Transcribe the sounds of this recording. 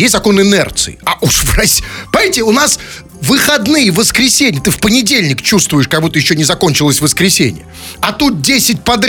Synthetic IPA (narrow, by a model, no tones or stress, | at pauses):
jesʲtzɐko̞nɨnɛ̰rt̪sɨ̰ɪaʔuʂvrɐsʲpɐtʲɪʊnas | vɨxɐd̪nɨjəvəskɾʲɪsʲenʲɪjət̪ɨfpənʲɪdʲelʲnʲɪkt͡ɕust̪vʊjɪʂkɐɡmut̪ɨjɪɕːonʲɪzɐko̞nʲt͡ɕɪlˠəsʲvəskɾʲɪsʲḛnʲɪ̰jə | ɐt̪ut̪̚dʲesʲɪt̚ʲpɐd̪ʲ